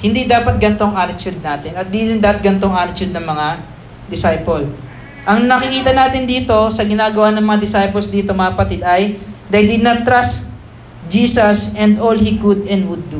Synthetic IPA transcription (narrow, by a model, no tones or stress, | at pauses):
hɪnd̪iːd̪aːpɐt̪̚ɡɐnt̪o̞ɐŋaːt̪ɪt͡ʃud̪̚naːt̪ɪnɐt̪̚d̪id̪ɪnd̪ɐt̪̚ɡɐnt̪o̞ŋʔaːt̪ɪt͡ʃud̪̚nɐŋmɐŋa | d̪ɪsajpol | ʔɐŋnɐkɪkiːt̪ɐnaːt̪ɪnd̪iːt̪o̞sɐɡɪnaːɡɐwanɐŋmɐŋad̪ɪsajpolsd̪iːt̪omɐkɐpɐt̪ɪd̪ɐjd̪ɐjd̪ɪnat̪ɾast̪ | d͡ʒiːsɐsɛnd̪olhikʊd̪ɛnd̪wʊd̪ːu